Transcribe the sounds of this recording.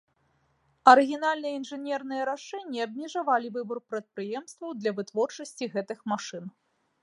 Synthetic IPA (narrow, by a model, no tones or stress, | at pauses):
ɐɾɨɣʲinalʲnɨjɐinʐɨnʲɛrnɨjɐɾaʂɛnʲːiɐb̚mʲiʐavalʲivɨburpɾɐt̪̚pɾɨjɛmst̪vɐwd̪lʲɐvɨt̪vɔrt͡ʂɐsʲt͡sʲiɣɛt̪ɨxmaʂɨn